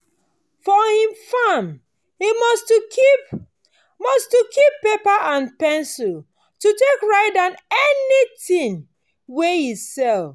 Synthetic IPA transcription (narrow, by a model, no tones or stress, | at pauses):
fɔhĩmfam | himɔst | mɔstukʰipːepaʔãnpɛ̃nsil | tutekɹaɪtdãnɛnitĩŋ | wehisɛl